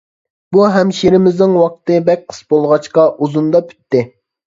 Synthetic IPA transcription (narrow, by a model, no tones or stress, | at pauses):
b̥uɦɛmʃeɾɪmɪznɪŋwɑq̚t̪ɨbɛk̚ʲqʰə̥sbolˠʁɑt͡ʃqɑʔuzund̪ɑpʰy̥t̪ːɪ